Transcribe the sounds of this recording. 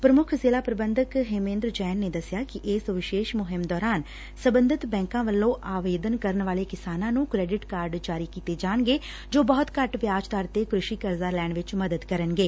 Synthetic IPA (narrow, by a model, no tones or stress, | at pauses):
pɾəmʊkʰzeːlaːpɾəbənd̪əkɦemẽːnd̪ɾd͡ʒɛːnːeːd̪əsɪjaːkɪʔɪːsʋɪʃeːʃmʊɦɪmd̪ɔːɾaːn | səbənd̪ʱɪt̪bɛ̃ːŋkãːʋəlːõːʔaːʋeːd̪ənkəɾənʋaːleːkɪsaːnãːnũːkɾɛːɖɪʈkaːɾɖd͡ʒaːɾiːkiːt̪eːd͡ʒaːəɳɡeː | d͡ʒoːbɔːt̪kəʈʋjaːd͡ʒt̪əɾt̪eːkɾʊʃiːkəɾzaːlɛːɳʋɪt͡ʃməd̪əd̪kəɾənɡeː